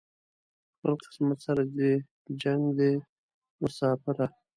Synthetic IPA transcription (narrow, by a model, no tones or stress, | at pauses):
xpəlqɪ̥smat̪saɾad̪e | d͡ʒaŋɡd̪e | mʊsɑːfɪɾa